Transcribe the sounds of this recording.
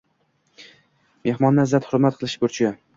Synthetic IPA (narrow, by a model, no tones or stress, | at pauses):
me̞hmɒnːazat̪hʊɾmat̪qʰɨlˠɪʃbʊɾt͡ʃʰa